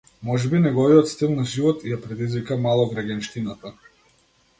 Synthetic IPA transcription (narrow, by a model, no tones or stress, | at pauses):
mɔʒɛbinɛɡɔviɔt̪st̪ilˠnaʒivɔt̪japɾɛd̪izvikamalˠɔɡɾaɡʲanʃt̪inat̪a